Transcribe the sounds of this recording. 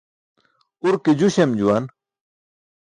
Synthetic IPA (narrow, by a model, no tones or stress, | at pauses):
uɾked͡ʑuɕemd͡ʑuwan